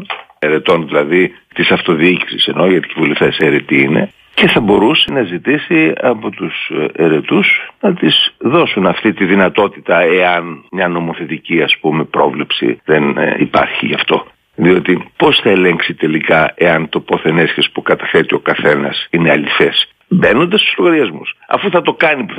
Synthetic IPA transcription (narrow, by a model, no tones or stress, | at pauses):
eɾe̞t̪o̞nðilɐði | t̪isɐft̪o̞ðiici̥sise̞no̞ʝɐt̪i̥civulift̪eseɾet̪iine̞̰ | ce̞θɐbo̞ɾusenɐzit̪isiɐpo̞t̪useɾe̞t̪usnɐt̪izðo̞sunɐft̪it̪iðinɐt̪o̞t̪it̪ɐe̞ɐnmɲɐno̞mo̞θe̞t̪iciɐspumepɾo̞vle̞psḭðenḭpɐ̰ɾçḭʝɐft̪o̞ | ðio̞t̪ipo̞sθɐele̞ŋksit̪e̞likɐe̞ɐnt̪o̞po̞θe̞nesçespukɐt̪ɐfe̞t̪io̞kɐθe̞nɐsine̞ɐlife̞s | be̞nond̪ɐst̪u̥zloɣɐɾiɐzmusɐ̰fuθɐt̪o̞kɐnipu